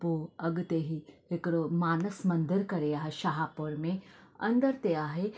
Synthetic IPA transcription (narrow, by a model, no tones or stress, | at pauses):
poɐɡt̪eɦiekɾomaːnəsmənd̪iɾkɐɾeaɦeʃaɦaːpoɾmẽɐ̰nd̪əɾt̪eaːɦe